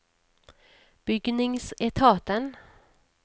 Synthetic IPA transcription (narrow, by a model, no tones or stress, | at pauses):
b̥ʏɡnɪŋsɛt̪ʰɑːt̪ən